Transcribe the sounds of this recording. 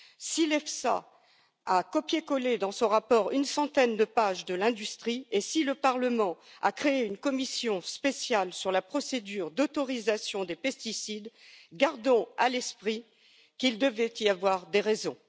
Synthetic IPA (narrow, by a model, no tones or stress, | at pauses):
silɛfsa̰ | akɔpjekɔled̪ɑ̃sɔ̃ʁapɔʁynsɑ̃t̪ɛnd̪əpaʒd̪əlɛ̃d̪yst̪χiesiləpaʁləmɑ̃a̰kχeeynkɔmisjɔ̃spesjalsyʁlapχɔsed̪yʁd̪ɔt̪ɔʁizasjɔ̃d̪epɛst̪isid̪ɡaʁd̪ɔ̃alɛspχi | kild̪əvɛt̪iavwaʁd̪eʁezɔ̃